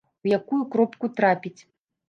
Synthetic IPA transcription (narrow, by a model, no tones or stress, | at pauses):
wjakujukɾɔpkut̪ɾapʲit͡sʲ